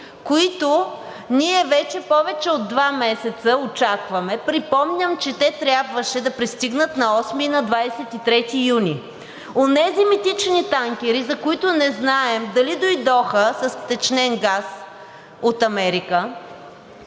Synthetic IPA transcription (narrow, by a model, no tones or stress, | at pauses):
koit̪o | niɛvɛt͡ʃɛpɔvɛt͡ʃɛod̪ːvamɛsɛt̪səot͡ʃakvɐmɛpɾipɔmnʲəmt͡ʃɛt̪ɛt̪ɾʲjabvəʃɛd̪ɐpɾist̪iɡnət̪nɐɔsminɐd̪vajsɛt̪it̪ɾɛt̪ijunʲi | onɛzimit̪it͡ʃnit̪aŋkʲɛɾizɐkʊit̪ʊnɛznaɛmd̪ɐlid̪ojd̪ɔxəsɐst̪ɛt͡ʃnɛnɡas | ot̪ɐmɛɾikə